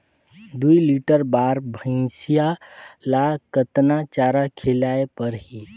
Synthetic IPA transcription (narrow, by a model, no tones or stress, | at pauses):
d̪uiliʈəɾbaːɾbʱə̃sijalakət̪nat͡ʃaːɾakʰelaepəɾɦi